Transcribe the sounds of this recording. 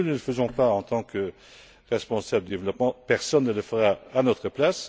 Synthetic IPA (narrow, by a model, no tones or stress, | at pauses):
unələfəzɔ̃paɑ̃t̪ɑ̃kə | ʁɛspɔ̃sabləd̪d̪evlɔpmɑ̃pɛʁsɔnːələfəʁaanɔt̪χəplas